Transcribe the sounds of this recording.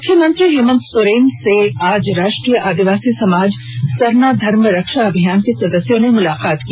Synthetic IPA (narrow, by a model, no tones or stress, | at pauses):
mʊkʰjəmə̃nt̪ɾiɦeːmə̃nt̪sʊɾeːnseaːd͡ʒɾaːʃʈɾiːjəʔaːd̪iʋaːsisɐmaːd͡ʒ | sɐɾnad̪ʱɐɾmɾɐkʃaɐbʱijaːnkesɐd̪əsjõnemʊlaːqaːt̪kiː